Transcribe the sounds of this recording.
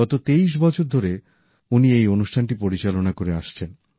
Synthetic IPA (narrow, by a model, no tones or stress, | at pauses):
ɔt̪ot̪eijʃ̬bɔt͡ɕʰoɾd̪ʱoɾe | uniejonuʃʈʰanʈipoɾit͡ɕalonakoɾeaʃt͡ɕʰen